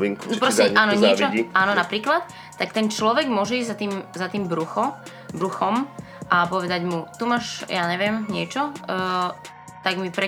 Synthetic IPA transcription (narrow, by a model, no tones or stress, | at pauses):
iŋknpɾɔscɛaːnɔɲɪɛt͡ʃɔʔaːnɔnapɾiːklat̪̚ː | akt̪ɛnt͡ʃlɔʋɛɡmʊɔʒɛizzat̪iːmzat̪iːmbɾuxɔ | bɾuxɔm | ʔapɔʋɛd̪aɟmut̪umaːʃjaːɲɛʋɪɛmɲɪɛt͡ʃɔ | t̪aɡmipɾɛ